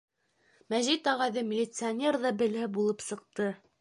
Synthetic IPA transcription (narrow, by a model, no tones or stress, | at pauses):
mæʑit̪ɑʁɑðɘmʲɪlʲɪt̪sɨanʲe̞rðɑbɘ̆lhɘbulˠɤpsɤ̆q̚t̪ɤ